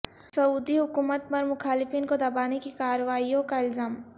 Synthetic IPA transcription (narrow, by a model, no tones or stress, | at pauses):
sɐuːd̪iɦʊkuːmət̪̚pɐɾmʊxʰaːlɪfiːnkod̪ɐbaːnekikaːɾəʋaːijõkaɪlzaːm